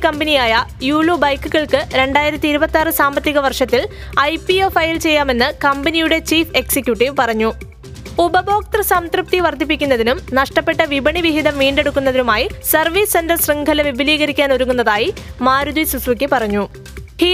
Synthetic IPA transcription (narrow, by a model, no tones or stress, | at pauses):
kɐmbɐnijaːjɐjuːɭobɐjkːuɣɐɭkɨɾe̞ɳɖaːjiɾɐt̪ːiːɾubɐt̪ːaːrɨsaːmbɐt̪ːjiɣɐʋɐrʂɐt̪ːil | ɐjpiofɐjilt͡ɕe̞jːaːme̞nːɨkɐmbɐnijuɽe̞t͡ɕiːfe̞ksikʲjuʈːiʋpɐrɐɲːu | ubɐbo̞ːk̚t̪rɐsɐmt̪rɨp̚t̪iʋɐrd̪ʱipːikʲːunːɐðinumnɐʂʈɐpːe̞ʈːɐʋibɐɳiʋiɦid̪ɐmʋiːɳɖe̞ɽukːunːɐðinumaːjisɐrʋiːsendɐrsriŋɡʱɐlɐʋibiliːɣɐɾikʲːaːnoɾuɣunːɐðaːjimaːɾud̪uisusʋɐkʲːɨpɐrɐɲːu | hi